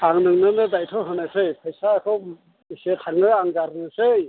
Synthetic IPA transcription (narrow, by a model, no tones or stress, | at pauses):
aŋnɯŋnɯnɯdajtʰɔɦɯnasɯjpʰajsaːkʰɯ | isetʰaŋnɯaŋɡaɾnɯsɯj